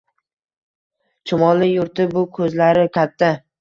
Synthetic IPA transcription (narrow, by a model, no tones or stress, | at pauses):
t͡ʃʰʊmɒlˠɪjʊɾt̪ɪbʊkʰɵzlaɾɪkʲʰat̪ʰːa